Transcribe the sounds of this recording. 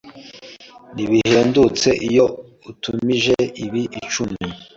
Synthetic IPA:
niβiheːndut͡se̞ʔijo̞ | utumiʒeiβiʔit͡ʃumi

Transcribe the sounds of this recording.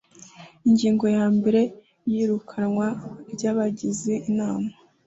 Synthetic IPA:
iɲɟiːŋɡo̞jaːmbe̞ɾe̞ | jiɾukʰanŋwabɟaːβaɟizeʔinaːma

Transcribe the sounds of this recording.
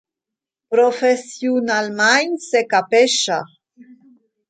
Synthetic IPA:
pɾofesjunalmaɲsekapeʃa

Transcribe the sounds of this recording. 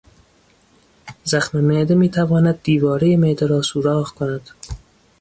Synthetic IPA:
zaxmemeːd̪emiːt̪ʰavɒːnæd̪̚ːiːvɒːɾejemeːd̪eɾɒːsuɾɒːɣkonæd̪

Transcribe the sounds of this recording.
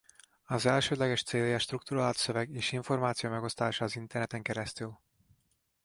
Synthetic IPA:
ɒzɛlʃøːd̪lɛɡɛʃt̪seːljɛʃt̪rukt̪uɾaːlt̪søvɛɡeːʃiɱfo̞rmaːt̪sijomɛɡo̞st̪aːʃaːzint̪ɛrnɛt̪ɛŋkɛɾɛst̪yl

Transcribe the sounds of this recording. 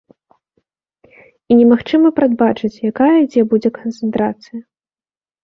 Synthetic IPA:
inʲɛmaxt͡ʂɨmɐpɾad̪̚bat͡ʂɨt͡sʲjakajɐid͡zʲɛbud͡zʲɛkɐnt̪sɨnt̪ɾa̰t̪sɨjɐ

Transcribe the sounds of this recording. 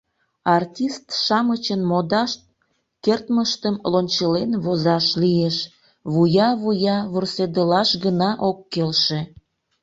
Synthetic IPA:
ɑrtʲist̪ʃɑmət͡ɕənmod̪ɑʃt̪̚ | kert̪məʃt̪əmlonʲt͡ɕəlenβozɑʃlieʃ | βujɑβujɑβursed̪əlɑʃɡənɑʔokːelʃe

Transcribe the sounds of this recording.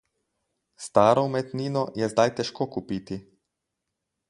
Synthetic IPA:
st̪aːɾɔmɛt̪niːnɔjɛzd̪ajt̪ɛʃkoːkupiːt̪i

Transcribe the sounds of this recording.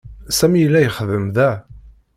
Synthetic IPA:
sæmijəlːæjəχəðəmðæ

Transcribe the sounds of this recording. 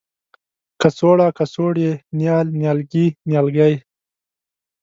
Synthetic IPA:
kasoːɽakasoɽenjɑːlnjɑːlɡinjɑlɡaj

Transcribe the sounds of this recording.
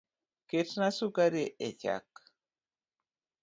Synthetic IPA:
ketnasukaɾeʔet͡ʃa̰k

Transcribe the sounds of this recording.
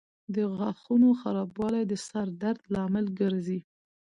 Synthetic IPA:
d̪əɣɑxunoxaɾɑbwɑlajd̪əsaɾd̪aɾd̪lɑmɪlɡəɾzi

